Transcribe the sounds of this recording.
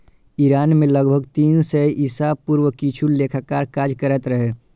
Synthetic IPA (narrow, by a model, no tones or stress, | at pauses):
iɾaːnmẽləɡbʱəɡt̪iːnseʔisapuːɾwəkit͡ʃʰuleːkʰakaːɾkaːd͡ʒkəɾət̪ɾəɦe